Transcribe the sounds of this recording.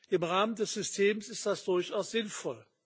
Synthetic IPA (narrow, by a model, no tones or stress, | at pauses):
ʔɪmʁaːməndɛsz̥ʏstʰeːmsɪstd̥asd̥ʊɐçaʊsz̥ɪnfɔl